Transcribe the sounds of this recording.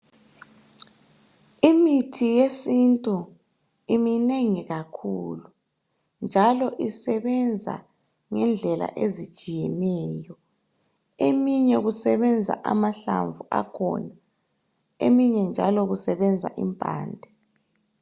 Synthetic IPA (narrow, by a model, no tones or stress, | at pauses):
imitʰijesintʼu | imineŋiɣakʰuːlu | nd͡ʒʱalɔʔisɛβɛnd͡zʱa̰ | ŋɛnd͡ɮʱɛla̰ʔezi̥t͡ʃʼijɛnɛːjɔ | emiɲɛɣusɛβɛnd͡zʱa̰ʔamaɬa̰ɱvuʔa̰kʰɔ̰na | emiɲɛnd͡ʒʱalɔɣusɛβɛnd͡zʱa̰ʔimpʼa̰ːndʱɛ